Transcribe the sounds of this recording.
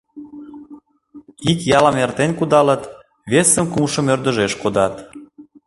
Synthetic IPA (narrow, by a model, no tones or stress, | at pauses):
ikjɑlɑmert̪enʲkud̪ɑlə̆t̪ | βesə̆mkumʃə̆mørd̪ə̆ʒeʃkod̪ɑt̪